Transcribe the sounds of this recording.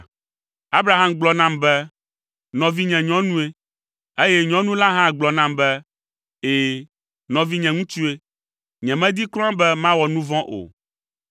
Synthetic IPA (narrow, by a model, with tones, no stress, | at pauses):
a˦bɾa˨ɦa˦mɡ͡blɔ˨˦nã˦mbɛ˦ | nɔ̃˨vi˦ɲɛ̃˨ɲɔ̃˦nũ˦e˦ | e˦jɛ˦ɲɔ̃˦nũ˦la˦ɦã˦ɡ͡blɔ˨nã˦mbɛ˦ | e˨ | nɔ̃˨vi˦ɲɛ̃˨ŋũ˦t͡ʃu˦e˦ | ɲɛ̃˨mɛ̃˦d̪i˦klɔ˦ã˦bɛ˦mã˦wɔ˨nũ˦vɔ̃˦ʔo̰˨